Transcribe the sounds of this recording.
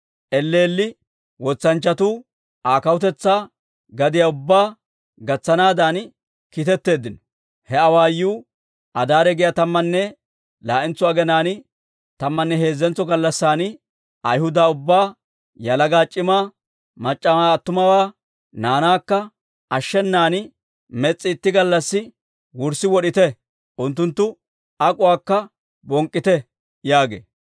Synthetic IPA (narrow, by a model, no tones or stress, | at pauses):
ʔɛlːeːlːɪ | wɔt͡sːɐnt͡ʃːɐt̪uː | ʔaːkɐwʊt̪ɛt͡sːaː | ɡɐd̪ɪjaʊbːaː | ɡɐt͡sːɐnaːd̪an | kit̪ɛt̪ːe̞ːd̪ːɪnɔ | hɛɐwaːjːuː | ʔɐd̪aːɾɛɡɪjat̪ɐmːɐnːɛ | laːʔɪnt͡sʊaːɡɛnaːn | t̪ɐmːɐnːɛhe̞ːzːɛnt͡sːɔɡɐlːɐsːaːn | ʔɐjhʊd̪aːʊbːaː | jɐlɐɡaːt͡ʃʼːɪmaː | mɐt͡ʃʼːɐmaːɐt̪ːʊmɐwaː | naːnaːkːɐ | ʔɐʃːɛnːaːn | mɛt͡sʼːɪːt̪ːɪɡɐlːɐsːɪ | wʊɾsːɪwɔɗɪt̪ɛ | ʔʊnt̪ːʊnt̪ːʊ | ɐkʼʊwaːkːɐ | bɔŋkʼːɪt̪ɛ | jaːɡḛː